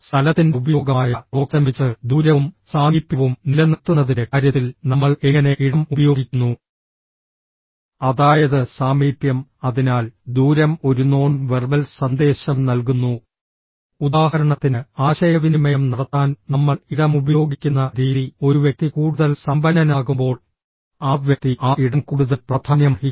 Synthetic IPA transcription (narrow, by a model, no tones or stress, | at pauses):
st̪ʰɐlɐt̪ːindeubɐjo̞ːɡɐaːjɐo̞ːksɐmit͡ɕːɨd̪uːɾɐʋumsaːmiːpːjɐʋumnilɐnit̪ːunːɐðindekaɾjɐt̪ːilnɐmːɐɭeŋːɐne̞ʔiɽɐmubɐjo̞ːɡikʲːunːu | ɐðaːjɐðɨsaːmiːpjɐmɐðinaːld̪uːɾɐmo̞ɾuno̞ːɳʋerbɐlsɐnd̪e̞ːɕɐmnɐlkunːu | ud̪aːhɐɾɐɳɐt̪ːinɨaːɕɐjɐʋinumɐjɐmnɐɽɐt̪ːaːnnɐmːɐɭiɽɐmubɐjo̞ːɡikʲːunːɐɾiːðio̞ɾuʋjɐk̚t̪ikuːɽuðɐlsɐmbɐnɐnaːɣumbo̞ːɭ | aːʋʋjɐk̚t̪iʔaːiɽɐmkuːɽuðɐlprɐd̪ʱʰaːnjɐmɐi